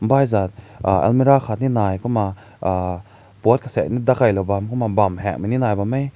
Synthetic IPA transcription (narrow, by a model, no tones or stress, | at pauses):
m̩bajzat̪̚ | aɛ̰lmiɾaxʰat̪̚ninajkʰɔma | put̪̚kʰasɛ̰nid̪akajlobamkʰɔmabamɦɛ̰k̚mininaːjbamej